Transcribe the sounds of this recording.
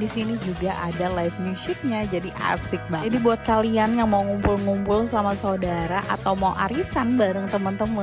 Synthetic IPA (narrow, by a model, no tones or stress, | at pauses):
disinid͡ʒuɡaʔadalajfmusɪk̚ɲad͡ʒadiʔa̰sɪk̚badibuat̪̚kalianjaŋmauŋumpʊlŋumpʊlsamasaodaɾaʔat̪awmaṵʔaɾisanbaɾəŋt̪əmənt̪əmə